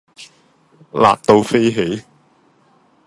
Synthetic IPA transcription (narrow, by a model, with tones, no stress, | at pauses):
la̰ː˨k̚t̪o˧wfe˥jɦe˨˥j